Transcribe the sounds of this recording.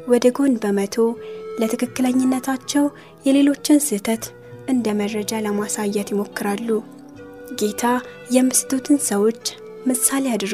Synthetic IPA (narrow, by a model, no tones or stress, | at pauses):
wɔd̪əɡo̞nbəmət̪ʰo̞lət̪ʰɨkʰɨkːɨləɲːɪnːət̪ʰat͡ʃːɛw | jɛle̞lo̞t͡ʃːɪnsɨt̪ʰət̪ | ʔɨnd̪əməd̪ɾəd͡ʒaləmasajːɛt̪jɪmo̞kːɨɾalːu | ɡe̞t̪ʰa | jɛmːɨsɨt̪ʰot̪ʰɨnsəwo̞t͡ʃː | mɨsalejad̪ɾ